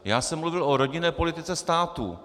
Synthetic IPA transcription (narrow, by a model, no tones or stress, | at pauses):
jaːsɛmluvɪlʔoɾo̞ɟɪnɛːpo̞lɪt̪ɪt͡sɛst̪aːt̪ṵ